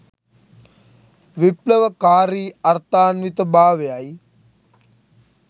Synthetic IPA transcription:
ʋipləʋəkaːɾiːɐɾt̪aːnʋit̪əbaːʋejaj

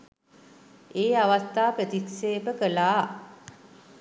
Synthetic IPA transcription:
eːaʋast̪aːpət̪ikseːpəkəlaː

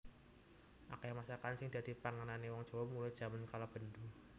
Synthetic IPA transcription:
ʔa̰kaamasakansɪŋd̥a̤d̪̥i̤paŋananewɔŋ̥ʒ̥o̤wamulajd̥ʒ̥a̤mankalab̥əndu

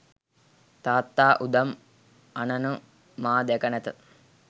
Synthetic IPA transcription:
t̪aːt̪ːaːʔud̪ɐm | anɐnu | maːd̪ɛkənɛt̪ə

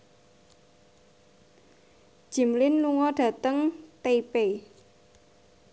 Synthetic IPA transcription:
d̥ʒ̥i̤mlɪnluŋɔɖ̥ä̤t̪əŋt̪epe

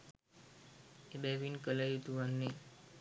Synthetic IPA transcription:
ebɛʋinkəlajut̪uʋanːe

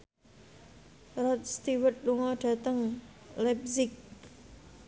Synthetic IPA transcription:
rɔt̪̚st̪iwət̪̚luŋɔɖ̥a̤t̪əŋlɛp̚sɪk̚

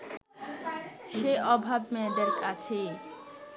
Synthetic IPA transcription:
ʃeɔbʱabmɛɖeɾkat͡ɕʰe

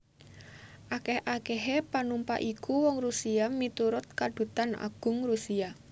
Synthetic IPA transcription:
ʔakɛhʔakɛɦepanumpa̰ʔikʰuwɔŋɾusiamit̪uɾʊt̪̚kaɖ̪̥ṳt̪ana̰ɡ̥ʊ̤ŋrusia

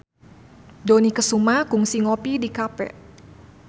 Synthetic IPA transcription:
donikəsumakuŋsiŋɔpidikapɛ̰

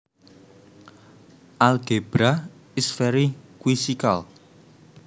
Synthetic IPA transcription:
ʔalɡ̥eb̥ɾa | isfɛɾikwisikal

